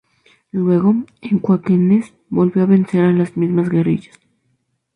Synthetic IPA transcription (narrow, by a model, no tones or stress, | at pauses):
lwe̞ɣo̞eŋkwakenes | bo̞lβjoaβe̞nseɾalazmizmazɡe̞rḭʝḁs